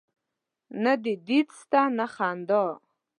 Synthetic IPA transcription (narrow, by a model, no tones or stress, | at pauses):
nɨdidit͡sʰtʰʼanaχando